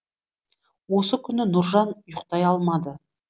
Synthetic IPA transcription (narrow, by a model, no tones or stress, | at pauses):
wo̞səkʲʰʏnɪnʊɾʒɑnjʊqt̪ɑjɑlˠmɑd̪ə